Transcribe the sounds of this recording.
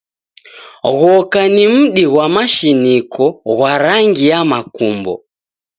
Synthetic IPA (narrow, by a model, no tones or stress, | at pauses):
ɣɔkanim̩ɗiɣwamaʃinikʰɔɣwaɾaŋɡijamakumbɔ̰